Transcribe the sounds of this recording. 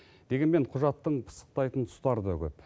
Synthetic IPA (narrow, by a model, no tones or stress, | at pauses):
d̪e̞ɡʲenme̞ɴqʰʊʒɑt̪ːəɴpʰə̥sə̥q̚t̪ɑjt̪ənt̪ʰʊ̥st̪ɑɾd̪ɑkʲʰɵp